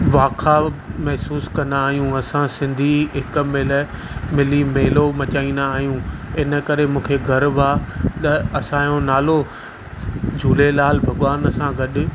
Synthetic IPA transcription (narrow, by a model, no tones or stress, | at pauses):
ʋaːkʰamɛɦsuːskɐ̃nd̪aːɦijũɐsãsɪ̃nd̪ʱiɦɪkmel | mɪlimeːlomɐt͡ɕaːĩːnd̪aːɦijũɪnə̆kɐɾemũːkʰeɡʱɐɾʋaːt̪ɐɐsãjõnaːlo | d͡ʑʱuːlelaːlbʱɐɠʋaːnɐsãɡɐɗʊ